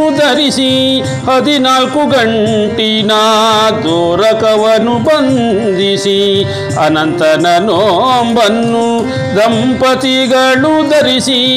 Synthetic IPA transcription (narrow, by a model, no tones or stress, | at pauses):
d̪ɐɾisi | hɐd̪inaːlkuɡɐɳʈinɐd̪oːɾɐkɐʋɐnubɐnd̪isi | ɐnɐnt̪ɐnɐnoːmbɐnːu | d̪ɐmpɐt̪iɡɐɭud̪ɐɾisi